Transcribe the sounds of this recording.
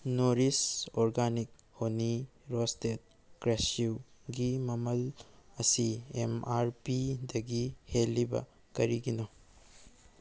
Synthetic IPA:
noɾisoɾɡanik̚ | honiɾostet̚ | kɾesuɡimɐmɐlɐsiemaɾpidɐɡihelːibɐ̰ | kɐɾiɡino

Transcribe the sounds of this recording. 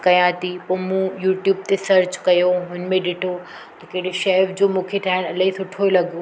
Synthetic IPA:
kɐjãt̪ipɐːmũjuːʈjuːb̚t̪esɐɾt͡ɕkɐjoɦʊnmẽɗɪʈʰo | t̪ɐkɐɪɽ̤eʃɛːʋd͡ʑoːmũːkʰet̪ʰaːɦɪɽ̃ɐlisʊʈʰolɐɡo

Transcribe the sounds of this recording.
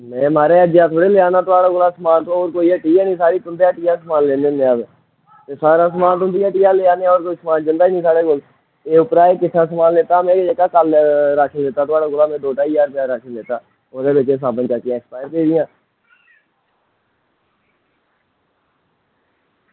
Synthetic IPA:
mɛ̃ːmaːɾeːəd͡ʒjaːt̪ʰoːɽeːleːaːnaːt̪ʊaːɽaɡolaːsəmaːnt̪õoːɾkoːiːɛːʈiːaːnĩːsaːɽiːt̪ʊnd̪eːaːʈiːaːsəmaːnleːneːnẽaːʋ | t̪eːsaːɾaːs̬əmaːnt̪ʊ̃nd̪iːaːʈiːjaːleːaːneːãoːɾkoːiːsəmaːnd͡ʒɪnd̪aːiːnĩːsaːɽeːkʊl | eːʊpɾaːeːkɪt͡ʃʰːaːs̬əmaːnleːt̪aːmẽːɾed͡ʒekaːkəlɾaːkʰːleːt̪aːt̪ʊaːɽaːɡʊlaːmɛ̃ːd̪oːʈaːijaːɾpjaːɾaːkʰəleːt̪aː | oːɾeːbet͡ʃeːs̬aːbənt͡ʃaːkɪjãːkspaːjəɾkeːd̪ɪjãː

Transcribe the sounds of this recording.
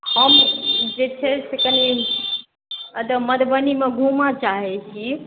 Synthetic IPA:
həmd͡ʒet͡ʃʰɛsekəni | əd̪əməd̪bənimeɡʱumat͡ʃaɦɛt͡ʃʰi

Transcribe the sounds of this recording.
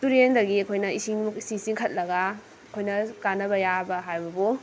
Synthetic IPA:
tuɾendɐɡiɐkʰojnɐisiŋsisiŋkʰɐt̚lɐɡa | ɐkʰojnɐkanːɐbɐjabɐɦajbɐbu

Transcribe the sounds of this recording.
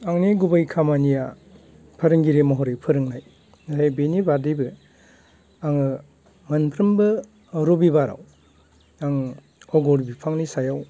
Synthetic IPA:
aŋniɡubajkʰamanija | pʰɐɾɯŋɡiɾemɔɦɔɾepʰɯɾɯŋnaj | ɦajbenibadɯjbɯ | aŋɯ | mɐnpʰɾɯmbɯ | ɾobibaɾa̰w | aŋ | ɔɡɔɾbipʰaŋnisajaw

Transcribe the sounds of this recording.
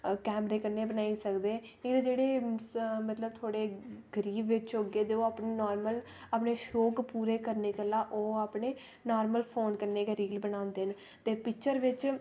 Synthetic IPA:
kɛːmɾeːkəɾneːbənaːisəkd̪eːid̪d͡ʒeːɽeːmət̪ləbt̪ʰoːɽeːɡəɾiːbʋɪt͡ʃɦoːɡeːd̪eːoːaːpneːnɔːɾməl | əpneːʃoːkpuːɾeːkəɾneːkəlaːʔoːaːpɳeː | nɔːɾməlpʰoːnkəɾneːkeɾiːlbənãːnd̪eːn | t̪eːpɪkt͡ʃəɾʋɪt͡ʃ

